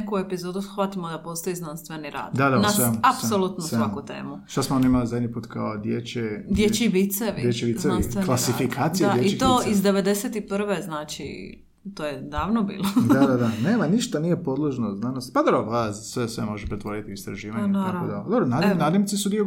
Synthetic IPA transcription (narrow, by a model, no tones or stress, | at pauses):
nekuepizoːd̪usxʋat̪imod̪apo̞st̪ojiznanst̪ʋeniɾa̰ːd̪d̪ad̪anasʋemuaspsolˠut̪noseʋakut̪ḛːmuʃt̪asmoonimalizad̪ɲipuːt̪kaod̪jet͡ɕed̪jet͡ʃiʋit̪seʋidjet͡ʃiʋizeansklˠasifikʰaːt̪sijaeit̪oːizd̪eʋed̪eset̪ipr̩ʋeznaːt͡ʃḭ | t̪oːjed̪aːʋnobḭːlod̪ad̪ad̪aneːmaniʃt̪anijepo̞d̪lˠoʒnoznanost̪pad̪obɾoblaːd̪asʋesʋemo̞ʒepɾet̪ʋo̞ɾit̪iist̪ɾa̰ʒiːʋaɲtaod̪ad̪obɾonad̪naːd̪nʲemsisud̪io